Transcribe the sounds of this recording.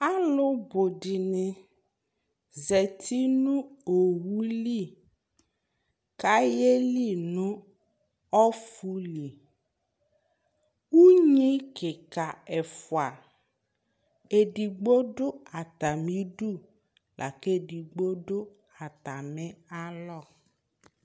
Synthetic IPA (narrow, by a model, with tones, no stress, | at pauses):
a˦lʊ˦bʊ˨dɪ˨nɪ˨ | ze˨tʰi˦nʊ̃˦o˨wu˦li˦˨ | ka˦je˦li˦˨nʊ̃˦ | ɔ˦fu˦li˨ | u˦ɲĩ˦kɪ˨ka˨ɛ˨fʊ˨a˨ | e˨di˨ɡ͡bo˦dʊ˦a˨t̪a˨mĩ˦du˦˨ | lʔa̰˨ke˦˨di˨ɡ͡bo˦dʊ˦ | a˨t̪a˨mɛ˦a˦lɔ˦˨